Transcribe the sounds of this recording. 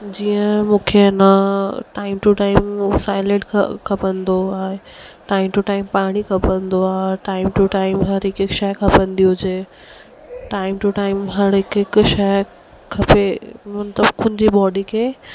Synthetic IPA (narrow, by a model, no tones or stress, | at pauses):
d͡ʑiːə̃mũːkʰenaʈaːɪmʈuʈaːɪmsaːɪleʈʰkʰɐpə̃nd̪oaːɦe | ʈaːɪmʈuʈaːɪmpaːɽ̃ikʰɐpə̃nd̪oaːɦeʈaːɪmʈuʈaːɪmɦɐɾɪkɪkʃɐjkʰɐpə̃nd̪iod͡ʑeː | ʈaːɪmʈuʈaːɪmɦɐɾɦɪkɪkʃɐ | kʰɐpemɐnt̪ləbkʰʊ̃nd͡ʑiɓɔːɖikʰeː